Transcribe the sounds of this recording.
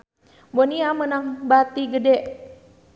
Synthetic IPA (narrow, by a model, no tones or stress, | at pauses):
bɔniamənaŋbat̪iɡədɛʔ